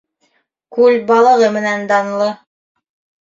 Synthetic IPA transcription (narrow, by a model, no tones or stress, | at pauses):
kʉlbɑlˠɤ̆ʁɤmɘ̆nænd̪ɑn̆lˠɤ